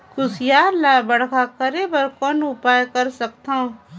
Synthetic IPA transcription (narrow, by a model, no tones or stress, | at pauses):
kʊsjaːɾlaːbɐɽkʰakɐɾebɐɾkɔːnʊpaːjkɐɾsɐkt̪ãː